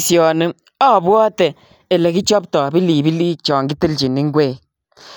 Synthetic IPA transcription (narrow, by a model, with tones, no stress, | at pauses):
si˨ɔ˨nɨ˦ | ɔ˦˨bwɔ˦tɛ˨ | e˨lɛ˨ki˦t͡ʃɔ˦p̚tɔ˨bi˦li˨bi˦liː˦t͡ʃɔː˨ŋɡi˦ti˦lt͡ʃi˨ni˦ŋ˦ɡweː˦˨